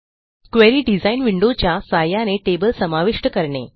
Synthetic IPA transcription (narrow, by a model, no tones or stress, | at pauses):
kʋeɾiːɖid͡zainʋiɳɖot͡ɕjasajaneʈebəlsəmaʋiʂʈəkəɾɳḛ